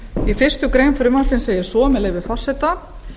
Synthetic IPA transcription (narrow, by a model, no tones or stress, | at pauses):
ifɪr̥st̪ʏkɾejnfɾʏmansɪnseːjɪ̥sɔːmɛleɣvɪfɔr̥sɛt̪a